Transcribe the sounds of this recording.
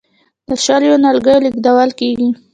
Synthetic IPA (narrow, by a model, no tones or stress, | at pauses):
d̪əʃaɾjonalɡajolikd̪awalkeɡi